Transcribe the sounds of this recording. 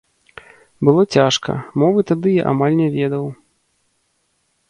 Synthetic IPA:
bɨlˠɔt͡sʲaʂkɐ̰mɔvɨt̪ad̪ɨja̰ʔa̰malʲnʲɛvʲɛd̪ɐw

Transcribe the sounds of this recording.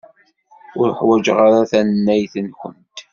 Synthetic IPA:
ʊɾħwæd͡ʒʁaɾaθænnːæjθənkʷə̰nt̪

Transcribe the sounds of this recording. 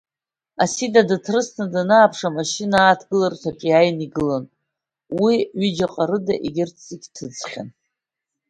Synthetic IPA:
asidadatʰrɨsnadanaːpʰʂamaʃinaːtʰɡɨlartʷʰakʲʼajniɡɨlan | wiɥid͡ʒaqʼaɾɨdaʔiɡʲɪrt͡sʰziɡʲtʰɨd͡zχʲa̰n

